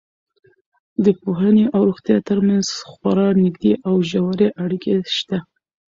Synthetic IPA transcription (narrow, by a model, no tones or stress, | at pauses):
d̪əpoɦəneʔawɾuɣt̪jɑt̪əɾmanzxwaɾɑnɪɡd̪eʔawʒawaɾeʔaɽikʰeʃt̪a